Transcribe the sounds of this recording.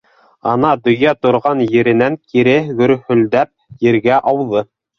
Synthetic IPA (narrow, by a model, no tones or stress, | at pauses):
ɑnɑd̪ɵ̆jæt̪ŏɾʁɑnjɘ̆ɾɘ̆næŋkiɾɘɡɵ̆ɾhɵ̆ld̪æp̚jɘ̆ɾɡæʔɑwðɤ